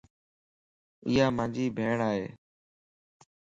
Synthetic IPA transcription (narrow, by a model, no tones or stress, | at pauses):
ḭːaːmãːnd͡ʒiːbʱeːɳaːɦeː